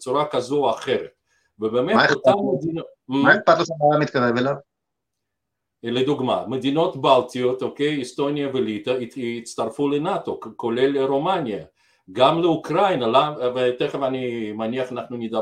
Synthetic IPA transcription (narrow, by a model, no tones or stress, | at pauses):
t͡suɾakazoaχeʁet̪̚ | vebememaeutammed̪inomaeχpad̪t̪laʃamalamit̪kaʁevelav | led̪uɡma̰med̪ino̞t̪balt̪ijot̪okejist̪o̞njavelit̪ait͡st̪aɾfulenat̪okkoleleɾomanija | ɡamleukɾajnalavet̪eχevanimaniaχanaχnunid̪a